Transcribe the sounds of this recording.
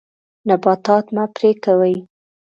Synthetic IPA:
nabɑt̪ɑt̪mapɾekawəj

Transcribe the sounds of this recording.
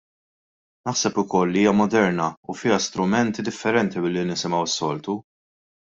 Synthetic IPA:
nɐħsɛpʊkɔlːiiːjɐmɔd̪ɛɾnɐufɪːɐst̪ɾʊmɛnt̪id̪ɪfːɛɾɛnt̪ibɪlːinɪsɪmɐwɪsːɔlt̪u

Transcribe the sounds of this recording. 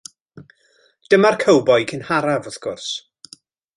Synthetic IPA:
d̥əmarkʰəwbɔjkʰənhaɾavɔθɡ̥ʊrs

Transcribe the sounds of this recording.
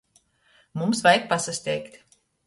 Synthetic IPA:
mumsvajk̚pasasʲt̪ʲɛjkt̪ʲ

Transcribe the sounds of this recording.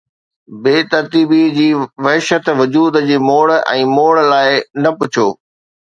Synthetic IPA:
beːt̪ɐɾt̪iːbid͡ʑiːʋɐɦʃət̪ʋʊd͡ʑuːd̪d͡ʑiːmoːɭɛ̰̃ːmoːɭlaːɪnɐpʊt͡ɕʰoː

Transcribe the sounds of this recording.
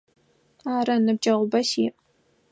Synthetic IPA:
aːɾɐnɨb̚d͡ʒɐʁʷʊbɐsiːʔʼ

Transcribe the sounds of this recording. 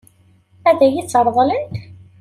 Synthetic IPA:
æðæjit͡sːəɾˤðˤlənt̪

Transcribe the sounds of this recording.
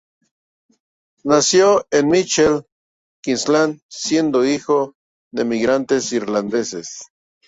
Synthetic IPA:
nasjoenmit͡ʃel | kinslansje̞nd̪oixo | ðemiɣɾant̪esiɾland̪esḛs

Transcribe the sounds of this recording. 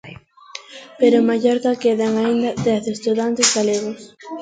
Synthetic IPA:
peɾʊmaʎoɾðakeðaŋaind̪ɐd̪ɛθest̪uðant̪ezɣaleɣos

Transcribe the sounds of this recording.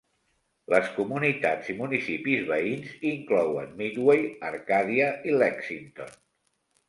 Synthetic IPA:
ləskumunit̪ad͡zimunisipizβəinziŋklɔwə̰nmid̪wejəɾkaðiəʔilɛksint̪o̰n

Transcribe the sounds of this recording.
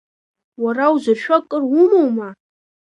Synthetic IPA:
warawzarʃᶣakʼərʊmowma

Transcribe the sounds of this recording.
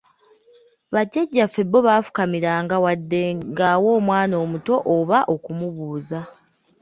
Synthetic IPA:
βaɟeɟːafe̞bːo̞βaːfu̥kamiɾaːŋɡawadːe̞ŋɡawo̞ːmwaːno̞ːmuto̞ʔoβaʔo̞kumuβuːza

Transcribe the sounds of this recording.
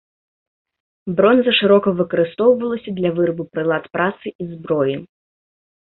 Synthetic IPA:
bɾɔnzɐʂɨɾɔkɐvɨkɐɾɨst̪ɔwvɐlˠɐsʲɐd̪lʲɐvɨrbupɾɨlˠat̪pɾʔat̪sɨʔizbɾɔji

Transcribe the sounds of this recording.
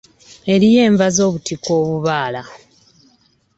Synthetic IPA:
e̞ɾije̞ːɱvazo̞ːβutiko̞ːβuβaːla

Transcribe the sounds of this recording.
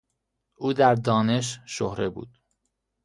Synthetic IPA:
ʔuːd̪æɾd̪ɒːne̞ʃʃohɾebṵːd̪̥

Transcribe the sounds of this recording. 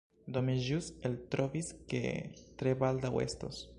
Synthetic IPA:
d̪omeʒuselt̪ɾoviskḛt̪ɾebald̪awḛst̪os

